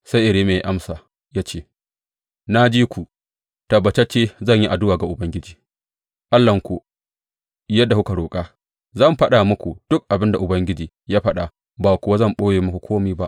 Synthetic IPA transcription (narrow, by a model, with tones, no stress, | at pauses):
sa˦jʔɪ˨ɾeː˦meː˨˦ʔa˦msaː˨ | jaː˦t͡ʃeː˦˨ | na˦d͡ʒiː˦kʷu˨ | tɐ˨bːɐ˨t͡ʃɐ˦t͡ʃːeː˦zɐ˦˨ɲji˦ʔa˨dʊ˦waː˨ɡa˨ʔʊ˨bɐ˦ŋɡʲɪ˦d͡ʒiː˨ | ʔa˦lːɐ˨ŋkʷu˨ | jɐ˦dːa˨hu˦ka˨ɽoː˨kʼaː˦ | zɐ˦˨mɸɐ˦ɗa˨mʊ˦kʷu˨d̥ʊ˦k̚ʔa˨bɪ˦nda˨ʔʊ˨bɐ˦ŋɡʲɪ˦d͡ʒiː˨ | jaː˦ɸɐ˦ɗa˨ | baː˨kʷʊ˨wa˦zɐ˦˨mɓoː˦jeː˨mʊ˦kʷu˨kʷʰoː˦miː˦ba˦ʔ